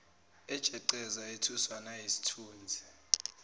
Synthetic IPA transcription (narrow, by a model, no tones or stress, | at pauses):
ɛd̥ʒ̥ʼʱɛǀɛzaetʰuswanajisi̥tʰuːnd͡zʱi